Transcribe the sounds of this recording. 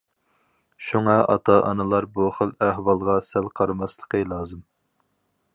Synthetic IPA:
ʃuŋɑɑ̰t̪ʰɑʔɑ̰nɨlˠɑɾbuχəlˠæhwɑlˠʁɑsælqʰɑɾmɑslˠəqʰəlˠɑːzɨm

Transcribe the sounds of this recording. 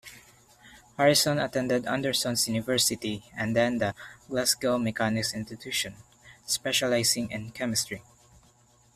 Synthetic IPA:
haɹɪsɔ̃nɐt̪ɛ̃nd̪ɛd̪ã̰nd̪ɛɹsɔ̃nsjunɪvɛɹsɪt̪iʔɛ̃nd̪ɛ̃nd̪ɐɡlaskɛlmɛkanɪksɪ̃nst̪ɪt̪ʰuʃɔ̃n | spɛʃalajsɪ̃ŋɛ̃nkʰɛmɪst̪ɹi

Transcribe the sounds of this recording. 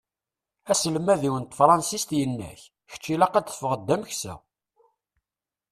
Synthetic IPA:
æsəlmæðiwənt̪fɾˤɑnsist̪jənːæ̰ç | çə̥t͡ʃːilɑqæd̪θfəʁəd̪ːæmçsæ̰

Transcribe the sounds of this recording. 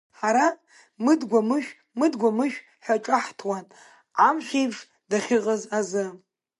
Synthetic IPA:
ħaɾa | mɨdɡʷamɨʃᶣ | mɨdɡʷamɨʃᶣ | ħʷaʈ͡ʂʼaħtʰwanʼ | amʃʷejbʂ | daχʲɪʁʼəzazɨ

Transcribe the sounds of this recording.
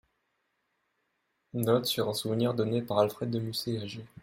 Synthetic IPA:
nɔt̪syʁɛ̃suvniʁd̪ɔnepaʁalfχɛd̪ːəmyseaʒe

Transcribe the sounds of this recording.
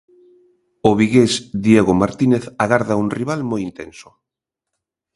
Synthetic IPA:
ʊβiɣesd̪jeɣomaɾt̪ineθaɣaɾðauŋriβalmojint̪ḛnsʊ̥

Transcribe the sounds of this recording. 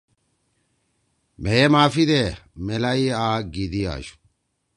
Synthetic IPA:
mɛjɛmaːfid̪emɛlɐiaːɡid̪ija̰ːʃu̥

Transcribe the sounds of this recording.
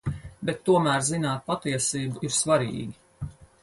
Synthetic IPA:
bɛt̪ːuɔmæːɾzinaːt̪̚pat̪iɛsiːbuiɾsvaɾḭːɡʲi

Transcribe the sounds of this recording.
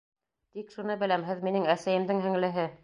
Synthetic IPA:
t̪ikʃunɤbɘ̆læmɦɘðminɘŋæsæjɘ̆md̪ɘŋɦɘ̆ŋlɘ̆ɦɘ

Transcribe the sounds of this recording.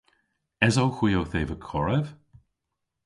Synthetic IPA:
ɛzowxwiːowθeːvəkʰɔɹəv̥

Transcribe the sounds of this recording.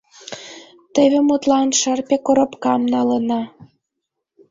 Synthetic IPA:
t̪eβʲĕmut̪lɑnʃərpʲekoɾŏpkɑmnɑlə̆nɑ

